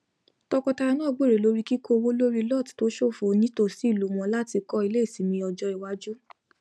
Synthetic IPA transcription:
tɔ˧kɔ˧ta˧ɾa˧nãː˦˨ɡ͡bo˦˨ɾe˨lo˨˦ɾi˦ki˦kʰo˧wo˦lo˦ɾi˧lɔ˦˨tto˨˦ʃo˦˨fo˨nĩ˦to˦˨si˨˦˨lu˨˦w̃ɔ̃˧la˦ti˧kɔ˦i˧le˦˨si˨˦mĩ˧ɔ˧d͡ʒɔ˧˦i˨wa˧˦d͡ʒu˦

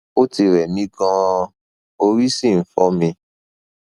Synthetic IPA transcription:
o˦ti˧ɾɛ˨mĩ˨˦ɡã˧ | o˧ɾi˦sĩ˦˨n̩˨˦fɔ˨˦mĩ˧

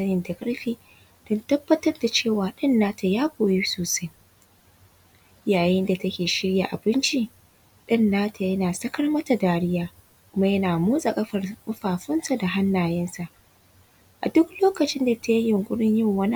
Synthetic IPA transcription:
ɐ˦jɪ˨nda˨kʼɐ˦ɽɸiː˦ | d̥ɔ˦ntɐ˦bːɐ˦tɐ˦rda˨t͡ʃeː˦˨waː˨ɗɪ˦nːaː˦tʰa˨jaː˦ɡʷoː˨jiː˦soː˨sa˦j | jaː˨jɪ˦nda˨tɐ˦kʲeː˨ʃɪ˦ɽja˨ʔa˨bɪ˦nt͡ʃi˦ | ɗɪ˦nːaː˦tʰa˨jɐ˦naː˨sɐ˦kɐ˦rmɐ˦ta˨daː˦ɽɪ˦jaː˨ | kʷʊ˦ma˦jɐ˦naː˨moː˦sʼa˨kʼɐ˦ɸɐ˨kʼʊ˦ɸaː˨ɸɪ˦nsa˨da˨ɦa˦nːaː˨jɛ˦nsa˨ʔ | ʔa̰˨dʊ˦kloː˦kɐ˨t͡ʃɪ˦nda˨tʰa˦ji˦jɪ˨ŋkʷʼʊ˦ɽɪ˦ɲjɪ˦ŋwɐ˦n˦

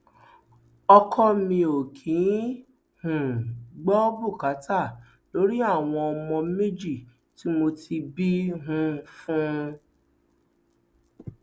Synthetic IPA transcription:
ɔ˧kʰɔ˦mĩ˧o˨kʰĩ˨˦ | hũ˨ɡ͡bɔ˦bu˦˨ka˨˦ta˦˨ | lo˨˦ɾi˦a˦˨w̃ɔ̃˧ɔ˧mɔ̃˧mẽ˦d͡ʒi˦˨ | ti˨˦mo˧ti˧bi˦ɦũ˦fũ˦˧

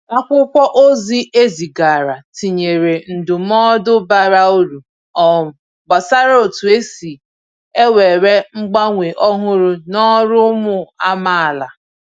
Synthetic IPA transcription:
a˦kʷʊ˦kʷɔ˦ʔo˦zi˦e˦zi˨ɡa˨ɾa˨ti˨ɲe˨ɾe˨n̩˨dʊ˨m̩˦ɔ˦dʊ˦ba˨ɾa˦o˦ɾu˨ | ɔ˦˨ | ɡ͡ba˨sa˦ɾo˨tu˨e˦si˨ | e˦we˨ɾe˦ŋ͡m̩˦ɡ͡ba˦ŋʷe˨ʔɔ˦ɦʊ˦ɾʊ˦nɔ˦ɾʊ˦mʊ˦a˦ma˦a˨la˨

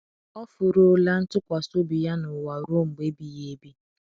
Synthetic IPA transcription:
ɔ˦fʊ˨ɾʊ˦la˦n̩˦tʊ˦kʷa˨so˦bi˨ja˦nʊ˨wa˨ɾo˦ŋ͡m̩˨ɡ͡be˦bi˨je˦bi˦

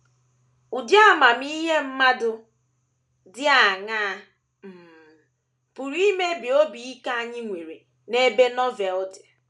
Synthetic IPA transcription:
u˨dja˦˨ma˨m̩˦i˦ɦe˦m̩˦ma˦dʊ˦ | dɪ˦a˨ŋa˦˨ | m̩˨ | pu˨ɾi˦me˦bi˨o˦bi˨i˦ka˦a˦˨ɲɪ˦ŋʷe˨ɾḛ˨ | ne˦be˦nɔ˦vɛ˨ldɪ˨

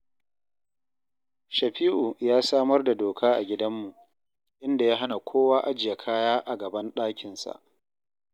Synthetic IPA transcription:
ʃɐ˨ɸiː˦ʔu˨jaː˦saː˦mɐ˦rda˨doː˨kʰaː˦ʔa̰˨ɡʲɪ˦dɐ˦mːu˨ʔ | ʔɪ˦nda˨jaː˦ɦa˦na˨kʷʰoː˦waː˦ʔa˦d͡ʒɪ˨ja˨kʰaː˦jaː˦ʔa˨ɡɐ˨bɐ˦nɗaː˦kʲɪ˨nsa̰˨ʔ

